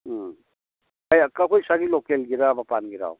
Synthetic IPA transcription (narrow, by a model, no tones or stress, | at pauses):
ajakakʰojsaɡilɔkelɡiɾabapanɡiɾa̰w